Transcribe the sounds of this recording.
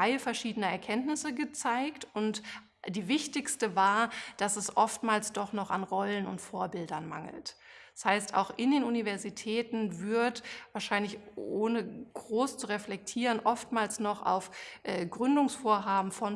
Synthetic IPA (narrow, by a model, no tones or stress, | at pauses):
aɪəfɛɐʃiːdənəɛɐkʰɛntnɪsəɡət͡saɪktʊnt | d̥iːvɪçtɪçstəvaːɐd̥asɛsʔɔftmaːlsd̥ɔχnɔχanʁɔlənʊ̰ntfoːɐbɪldɐnma̰ŋl̩tɛshaɪsta̰ʊxʔɪndeːnunivɛɐzitʰɛːtn̩vɪɐtvaːɐʃaɪnlɪçʔoːnəɡ̥ʁoːst͡suʁɛflɛk̚tʰiːʁənʔɔftmaːlsnɔχa̰ʊfʔɛːɡʁʏndʊŋsfoːɐɦaːbm̩fɔn